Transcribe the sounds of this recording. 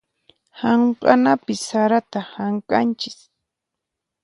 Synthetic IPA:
haɴqʼanapɪsaɾat̪ahaŋkʼant͡ʃɪs

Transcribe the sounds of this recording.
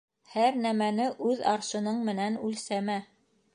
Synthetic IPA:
hæɾnæmænɘʔʉðɑ̰ɾʃɤ̆nɤɴmɘ̆nænʉlsæmæ

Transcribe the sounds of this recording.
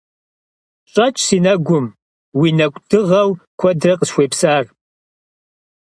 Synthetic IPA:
t͡ʃʼɐt͡ʃʼsiːnɐɡʷʊm | wiːnɐkʷʼdɨʁɐwkʷʰɔdrɐqʼəsxʷeːpsaːr

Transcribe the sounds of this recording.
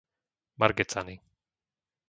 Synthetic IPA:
ma̰ɾɡɛt͡sani

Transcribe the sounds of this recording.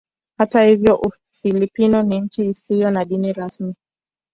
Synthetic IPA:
hatahivjɔʔu | filipinɔniɲ̩t͡ʃiːsijɔnaɗiniɾasmi

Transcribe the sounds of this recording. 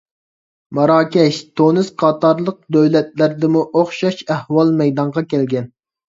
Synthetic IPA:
mɑɾɑːkʲɛʃt̪ʰonɨsqʰɑt̪ɑɾlˠəq̚d̪øwlɛt̪̚læɾd̪ɪmuʔoχʃɑʃæhwɑlˠmɛjd̪ɑɴʁɑkʲɛlɡʲɛn

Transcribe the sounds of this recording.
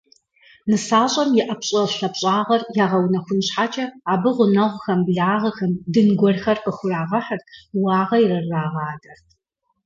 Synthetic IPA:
nɨsaːɕʼɐmjɪʔɐpɕʼɐɬɐpɕʼaːʁɐrjaːʁɐwnɐxʷʊnɕħaːt͡ʃʼɐaːbɨʁʷʊnɐʁʷʊxɐmbɮaːʁxɐmdɨnɡʷɔrxɐrqəxʷʊraːʁɐħɐrtʰwɑːʁɐjirɐrːaːʁɑːdɐrtʰ

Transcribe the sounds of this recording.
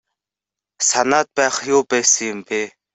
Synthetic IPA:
sanat̪̚pɛxjoːpesiːmpe

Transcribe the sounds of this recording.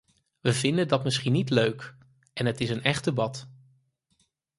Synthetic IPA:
ʋəvɪndəndɑtmɪsχinːitløɥk | ɛnɦətɪsənɛχtəbɑt

